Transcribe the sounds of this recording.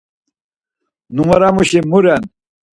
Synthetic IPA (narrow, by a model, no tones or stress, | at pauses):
numɐɾamuɕimuɾen